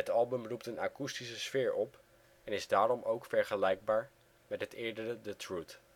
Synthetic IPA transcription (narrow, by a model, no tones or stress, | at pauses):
ɦətɑlˠbəmruptənaːkustisəsfɪːɹɔp | ɛnɪzdaːɾɔmowkfɛɹχəlɛjɡ̚baːɹ | mɛtɦətɪːɹdərədətrut